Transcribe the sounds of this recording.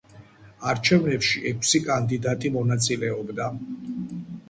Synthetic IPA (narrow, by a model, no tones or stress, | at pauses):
aɾt͡ʃʰɛvnɛpʃiʔɛkʷʰʼsikʼand̪id̪at̪ʼimɔnat̪sʼilɛɔbd̪a